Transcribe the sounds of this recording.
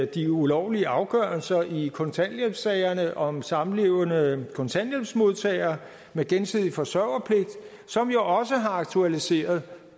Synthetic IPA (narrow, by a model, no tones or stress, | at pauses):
d̥iulɒʊliəʔɑ̈ʊɡ̥ɶːɐlsɐʔikʰɔ̽nt͡sʰæneb̥sɛɪɐnəʔɒ̽msɑ̈mn̩le̝ʊənəkʰo̽nt͡sʰænjeb̥smo̝ð̞ˠt͡sʰɛ̰ɪɐ | meɡ̥ensið̞̰ˠifɒ̽sɶʊɐpʰle̝ɡ̥̚d̥ | sɒ̽mjo̝ʔɒ̽s̬əɦɑ̈ɑ̈ɡ̥t͡sʰuælise̝̰ːɐð̞̩ˠ